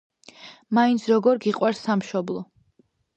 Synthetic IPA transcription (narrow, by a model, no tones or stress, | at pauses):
maint̪sʰɾɔɡɔɾɡiqʼwaɾsːamʃɔblˠɔ